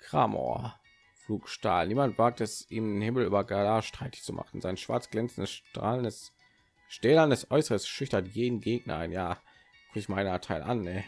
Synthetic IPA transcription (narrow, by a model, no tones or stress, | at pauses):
kʁ̥a̰ːmʔo̰ɐ̰ | fluːkʃta̰ːlniːmantv̥aːk̚tɛsʔiːmdenhɪml̩ʔy̰ːbɐɡalaːʃtʁ̥aɪtɪ̥çt͡sumʔa̰χn̩zaɪnʃv̥a̰ɐt͡sɡ̥lɛnt͡sn̩dəsaːlə | ʃtɛːlandɛsʔɔʏsəʁəsʃʏçtɐtjeːdn̩ɡeːɡ̚nɐ̰aɪnjaː | kʰɪçmaɪnaɐtʰaɪlʔa̰nːɛ